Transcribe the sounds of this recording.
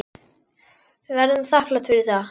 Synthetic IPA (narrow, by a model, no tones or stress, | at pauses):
vɛɾðʏmθahklat̪ʰfɪɾɪ̥θa